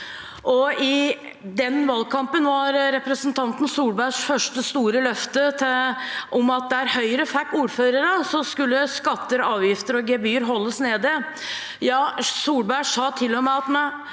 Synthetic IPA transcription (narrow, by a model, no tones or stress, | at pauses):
ʔɔɪ | d̪ɛnʋɑlɡkʰɑmpənʋɑɾɾɛpɾəsənt̪ʰɑnt̪n̩suːɽbæʂfœʂʈəst̪uːɾəlœft̪ət̪ʔɔmɑt̪̚d̪ɛæɾhœʏɾəfækːuːɾføːɾəɾəsɔskʉlːəskɑt̪ːəɾɑːʋjɪft̪əɾɔɡɛbyːəɾɦɔlːəsneːd̪ɪ | jɑːsuːɽbæʂɑːt̪ʰɪlːɔmɛɑt̪mɛn